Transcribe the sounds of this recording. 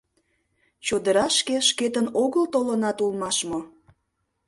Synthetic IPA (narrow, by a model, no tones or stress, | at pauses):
t͡ɕod̪əɾɑʃkeʃket̪ənoɣəlt̪olənɑt̪ulmɑʃmo